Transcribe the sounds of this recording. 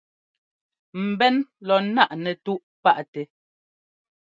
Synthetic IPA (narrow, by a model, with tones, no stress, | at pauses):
m̩˨bɛ˦nlɔ˨na˦˨ʔnɛ˨tu˦ʔ | pa˦˨ʔtɛ˨